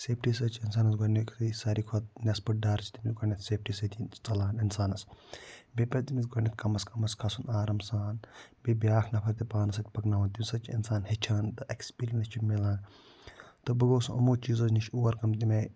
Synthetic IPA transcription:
seːpʰʈiːs̬ɐt͡ʃʰiins̬aːnɐs̬ɡʱonekisaːɾikʰot̪̚nʲɐspɐʈ̚ɖaːɾt͡ʃʰi̥t̪imiɡonʲɐt̪seːp̚ʰʈiːsɐt̪ʲʰit͡sɐlaːninsaːnɐsbepʲɐt̪imit͡s̪ɡoɳnʲɐt̪̚kɐmɐskɐmɐskʰasunaːɾɐmsaːnbibʲjaːkʰnɐpʰɐɾt̪ipaːnɐs̬ɐt̪̚ʲpɐknaːʋɐnt̪imʲsɐt͡ʃiḭnsaːnhɐt͡ʃʰaːnt̪ɨʔekspiːlʲɐnɐst͡ʃʰimilaːn | t̪ɨbɐɡoːsuʔɐmoːt͡ʃiːzɐznit͡ʃʰuːwɐɾkɐmt̪ime

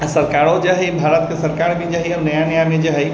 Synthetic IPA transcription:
sɐɾkaːɾõd͡ʒaːɦɛbʱaːɾət̪̚kesɐɾkaːɾbʱid͡ʒaːɦɛɐɾnɐjanɐjaːned͡ʒaɦɛ

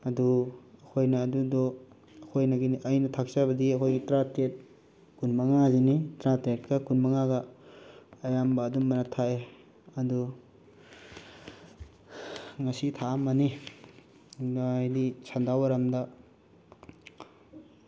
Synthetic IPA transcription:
ɐduɐkʰojnaːdudɔ | ɐkʰojnaɡiʔɐjnɐtʰak̚sabɐdiɐkʰojɡitɾatet̚ | kunmaŋazinitɾatet̚kɐkunbaŋaɡaː | jambaːdummanatʰae | ɐdu | ŋɐsitʰaːmani | jdisʰandawaɾamda

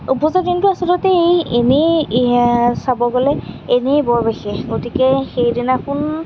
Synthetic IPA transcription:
upɔzadintʊasɔdɔtɛejeni | sabɔɡɔlɛenijbɔɹbexɛɡotikɛxejdinakʊn

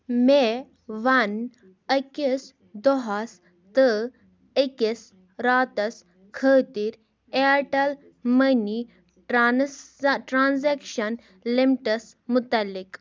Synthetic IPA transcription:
me | ʋɐn | əkis | d̪ɔɦɐs | t̪ɨ | əkis | ɾaːt̪ɐs | kʰəːt̪iɾ | eʈɐl | məni | ʈɾaːnzekʃɐn | limʈɐs | mʊt̪ɐlːik

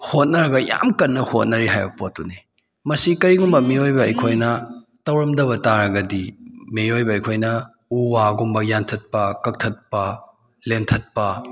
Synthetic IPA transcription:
hot̚nɐɾɐɡɐja̰mkɐnːɐhot̚nɐɾiɦajbɐpot̚ːuni | mɐsikɐɾiɡumbɐmiojbɐɐjkʰojnɐ | tɐwɾɐmdɐβɐtaɾɐɡɐdimejojbɐɐjkʰojnɐ | uwaɡumbɐjantʰɐt̚pɐkɐk̚tʰɐt̚pɐ | lentʰɐt̚pɐ

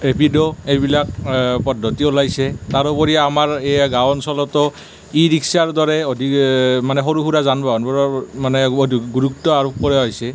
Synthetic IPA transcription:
epidɔejbilak̚pɔdʱɔtiulajsɛtaɹɔpɔɹiamaɹejaɡawɔnsɔlɔtɔ | iɹiksaɹdɔɹɛodʱimanɛxɔɹuɦuɹazanbaɔnbɔɹɔmanɛdɡuɹuk̚tɔaɹup̚kɔɹɛɦojsɛ

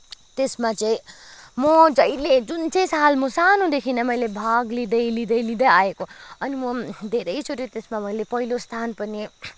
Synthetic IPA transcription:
t̪esmat͡sʌĩmʌd͡zʌjled͡zunt͡sʌj̃salmʌsanũd̪ekʰinʌmʌjlebʱaɡlid̪ʌjlid̪ʌjlid̪ʌjaekoʌnimʌd̪ʱeɾʌjt͡sʰuɾit̪esmamʌjlepʌɦilost̪ʰanpʌni

